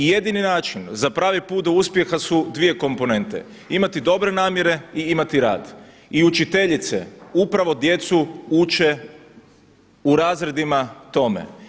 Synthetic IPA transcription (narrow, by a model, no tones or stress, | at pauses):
je̞d̪ininaːt͡ʃinzapɾaːʋipuːt̪̚d̪ouspje̞xasud̪ʋije̞ko̞mpo̞ne̞nt̪e̞̰ | imat̪id̪o̞bɾe̞naːmje̞ɾe̞iimat̪iɾa̰ːd̪ | iut͡ʃit̪e̞ʎit̪sḛupɾaʋo̞d̪je̞t̪suut͡ʃe̞ | uɾaːzɾe̞d̪imat̪o̞me̞̰